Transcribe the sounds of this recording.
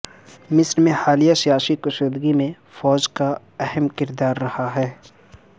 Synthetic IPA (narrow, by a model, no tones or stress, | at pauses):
mɪsɾmẽhaːlijasijaːsikʊʃoːd̪ɡimẽ | fɔːd͡ʒka | ɛɦɛmkɪɾd̪aːɾːɐhaɦɛː